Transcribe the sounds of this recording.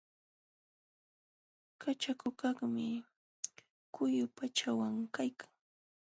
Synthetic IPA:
kat͡ʃakʊkɑχmɪ | kʊjʊpat͡ʃawaŋkajkʰḁŋ

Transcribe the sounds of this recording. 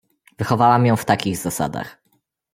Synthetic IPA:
vɘxɔvawamjɔ̃w̃ft̪akʲiɣzasa̰d̪a̰x

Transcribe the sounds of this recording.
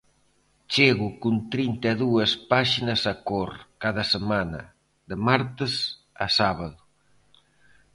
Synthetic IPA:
t͡ʃeɣukunt̪ɾint̪eðuɐspaʃinɐsakoɾkaðɐsemanɐ̰ | ðəmaɾt̪ɪs | a̰saβaðʊ

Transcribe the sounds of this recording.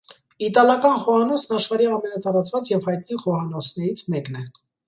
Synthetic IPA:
it̪ɑlɑkɑnχɔhɑnɔsʰnɑʃχɑɾiɑmɛnɑt̪ɑɾɑt͡svɑt͡sjɛvhɑjt̪̚niχɔhɑnɔt͡sʰnɛɾit͡sʰmɛknɛ

